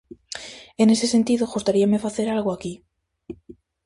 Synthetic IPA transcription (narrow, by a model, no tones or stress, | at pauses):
e̞ne̞se̞se̞nt̪iðoɣust̪aɾiame̞faθe̞ɾalɣoaki